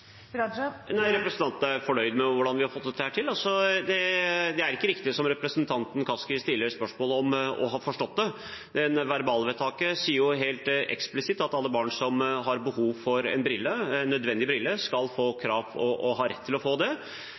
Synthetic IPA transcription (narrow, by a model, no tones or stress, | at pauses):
næɪɾɛpɾsənɑnt̪n̩æɾfɔɳœʏd̪mɛʋʊɖɑnʋɪhɑɾfɔt̪d̪ɛt̪ːəhæːʈʰɪlːɑlsɔd̪ɛd̪ɛæɾɪkːəɾɪkt̪ɪsɔmɾɛpɾəsnt̪ʰɑnt̪n̩kʰɑskɪst̪ɪlːəɾspœʂmoːləɔmɔ̰ɦɑːfɔʂʈɔt̪̚ːd̪ɛ | d̪ɛnʋæɾbɑːlʋɛt̪ʰɑːkəsiːəɾjʊɦeːlt̪ɛ̰ksplɪsɪt̪ːɑt̪ɑlːəbɑːɳsɔmɦɑɾbəhuːʋfɔɾɛ̰nbɾɪlːəɛnːœd̪ʋɛnd̪ɪbɾɪlːəskɑlfoːkʰɾɑːʋɔʔɔɦɑːɾɛt̪ʰːɪlɔfoːd̪ɛ